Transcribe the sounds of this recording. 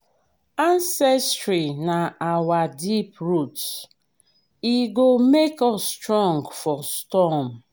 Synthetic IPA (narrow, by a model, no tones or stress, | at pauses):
ãnsɛstɹinaawadipɹuts | iɡomekɔsːtɹɔ̃ŋɡfɔstɔm